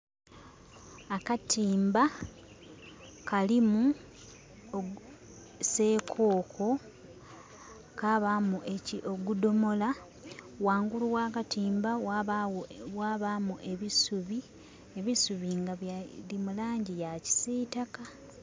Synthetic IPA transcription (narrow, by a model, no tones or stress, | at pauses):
akatʰiːmba | kalimu | o | se̞kʰo̞ːkʰo̞ | kaβamuʔeciʔo̞ɡudo̞mo̞la | waːŋɡuluwaːkatiːmba | waβamuʔeβisuβi | eβisuβiŋɡalimulaːɲɟijaci̥setaka